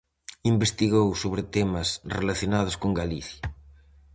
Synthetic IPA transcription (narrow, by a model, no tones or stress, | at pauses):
imbest̪iɣowsoβɾɪt̪ɛmɐsrelaθjonaðʊskoŋɡaliθjɐ